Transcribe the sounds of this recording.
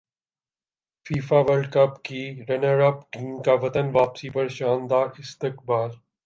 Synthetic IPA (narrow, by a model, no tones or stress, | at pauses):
fiːfaʋəɾɖkɐpkiɾɐnəɾɐpʈiːmkaʋɐt̪ənʋaːpsipɐɾʃãːnd̪aːɾɪst̪ɪq̚baːl